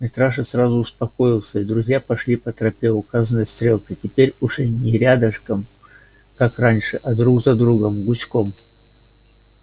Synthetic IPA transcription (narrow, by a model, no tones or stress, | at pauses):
mʲɪst̪ɾaʂɨsɾazʊːspɐko̞jɪlˠsʲəid̪ɾʊzʲjapɐʂlʲipət̪ɾɐpʲevʊkazənəjəst̪ɾʲe̞lˠkətʲɪpʲeɾʲʊʐɛnʲɪɾʲad̪əʂkəm | kakranʲʂɨʔɐd̪ɾuɡzɐd̪ɾuɡəmɡʊt͡ɕkom